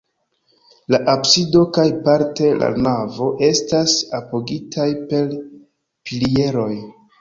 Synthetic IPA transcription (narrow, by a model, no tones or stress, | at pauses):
laʔapsido̞kajpaɾte̞la̰navo̞ʔe̞stasapo̞ɡitʰajpe̞l | pilie̞ɾo̞j